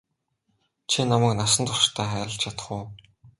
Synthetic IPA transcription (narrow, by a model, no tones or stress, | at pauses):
t͡ɕʰinamæːknasə̆nt̪t͡s̪ʰʊʃt̪ʰæːχæːɾə̆ɬt͡ɕʰat̪ə̥̆χuː